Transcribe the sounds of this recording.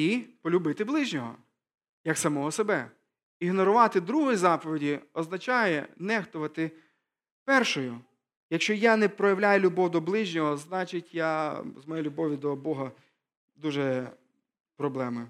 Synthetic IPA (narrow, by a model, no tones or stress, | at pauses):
ipɔlʲʊbɪt̪ɪblˠɪʒnʲɔɦɔ̰ | jɐksɐmɔɦɔsebɛ | iɦnɔɾʊʋɑt̪ɪd̪ɾuɦɔjizɑpɔʋʲedʲiɔznɐt͡ʃɑjɛnɛɦt̪ʊʋɐt̪ɪ | pɛrʃɔjʊ | jɐkʃt͡ʃɔjanɛpɾɔjɐwlʲajʊlʲʊbɔwd̪ɔblˠɪʒnʲɔɦɔznɑt͡ʃɪtʲjazmɔjelʲʊbɔʋʲid̪ɔbɔɦɐ | d̪uʒɛ | pɾɔblˠɛmɪ